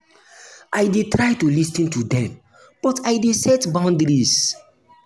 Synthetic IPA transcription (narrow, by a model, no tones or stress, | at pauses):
ʔajdetɹajtulisĩntudɛ̃m | b̥ɔtʰajdesɛtbãʊ̃ndɾis